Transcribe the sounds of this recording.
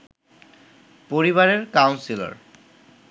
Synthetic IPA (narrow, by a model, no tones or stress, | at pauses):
poɹiβaɹeɹkawnsila̰ɹ